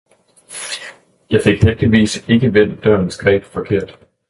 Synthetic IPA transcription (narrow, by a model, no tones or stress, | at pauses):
jɑ̈ɪfe̝ɡ̥hefd̥iʋḭːse̝ɡ̥əʋen̰d̥ɶɐ̰n̩sɡ̥ʁɛ̰ːb̥fɒ̽kʰe̝ɐ̰d̥